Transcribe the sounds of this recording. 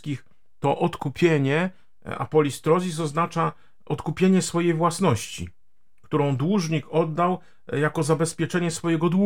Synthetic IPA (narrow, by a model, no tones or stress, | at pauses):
kʲix | t̪ɔʔɔt̪kupʲjeɲɛ | a̰pɔlʲist̪ɾɔzʲisɔznat͡ʂa | ɔt̪kupʲjeɲɛsfɔjejvwasnɔɕt͡ɕḭ | kt̪uɾɔ̃w̃d̪wuʐɲikɔd̪ːaw | jakɔzabɛspʲjɛt͡ʂɛɲɛsfɔjɛɡɔd̪wu